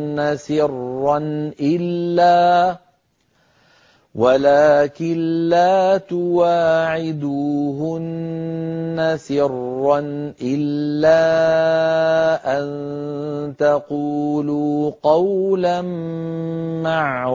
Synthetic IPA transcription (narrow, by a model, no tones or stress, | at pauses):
asɪrːɑnʔɪlːaː | walaːkɪnlaːt̪ʊwaːʕɪd̪uɦʊnː | asɪrːɑnʔɪlːaː | ʔan | t̪aquːluːqɑwlam | maʕ